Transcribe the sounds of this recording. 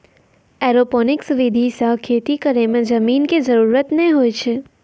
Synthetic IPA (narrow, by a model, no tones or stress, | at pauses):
ɛɾoponɪksʋɪd̪ʱisəkʰet̪ikəɾemẽd͡ʒəminked͡ʒəɾuːɾət̪nəɛ̃ɦojt͡ʃʰe